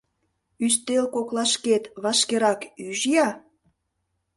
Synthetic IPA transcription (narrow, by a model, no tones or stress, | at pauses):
yst̪elkoklɑʃket̪βɑʃkeɾɑkyʒjɑ